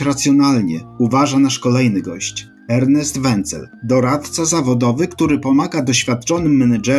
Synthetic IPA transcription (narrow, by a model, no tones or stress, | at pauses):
ɾat̪sʲjɔnalɲɛ̰uvaʐanaʂkɔlɛjnɘɡɔɕt͡ɕ | ɛɾnɛst̪vɛnt̪sɛ̰ld̪ɔɾat̪t̪sazavɔd̪ɔvɘkt̪uɾɘpɔmaɡad̪ɔɕfʲjat̪̚t͡ʂɔnɘmːɛnad͡ʐɛ